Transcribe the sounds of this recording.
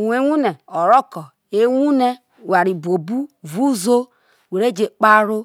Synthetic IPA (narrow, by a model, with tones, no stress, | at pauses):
wʷe˦ŋʷu˦ne˨ɔ˨ɾɔ˦kɔ˨ | e˦ŋʷu˦ne˦ | wa˨ɾi˨bo˨bu˦vu˦zo˦ | we˨ɾe˦d͡ʒe˨k͡pa˦ɾʊ˦